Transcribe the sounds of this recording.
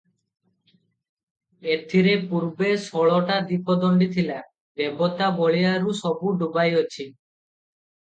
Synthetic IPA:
et̪ʰiɾepuɾbesɔɭɔʈad̪ipʰɔd̪ɔɳɖit̪ʰila | bebɔt̪abɔɭijaɾusɔbuɖubajɔt͡ʃʰi

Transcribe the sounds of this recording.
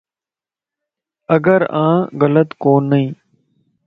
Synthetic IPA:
əɡəɾãːɣələt̪koːnːəĩː

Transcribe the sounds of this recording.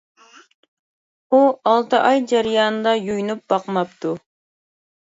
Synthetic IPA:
uɑlˠt̪ʰɨʔɑjd͡ʒæɾijɑːnɨd̪ɑjujnup̚bɑqmɑpt̪ʰu

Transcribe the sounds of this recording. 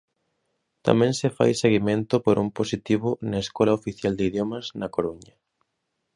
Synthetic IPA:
t̪a̰mɛ̃ŋsɪfa̰jseɣimẽnt̪ʊpoɾʔumposit̪iβʊnɐeskɔlaofiθjald̪ɪiðjomɐznɐkoɾuɲɐ

